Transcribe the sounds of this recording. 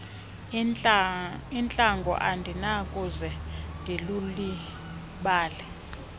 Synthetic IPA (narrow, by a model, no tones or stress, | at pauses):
int͡ɬʼaŋɡʱɔ̰ʔandʱinakʼuzɛndʱiluli | ɓaːlɛ